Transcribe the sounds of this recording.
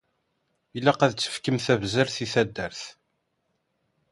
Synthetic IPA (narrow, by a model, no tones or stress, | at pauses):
ilːæqæðt͡sːə̥fkəmθævzəɾθiθæd̪ːəɾθ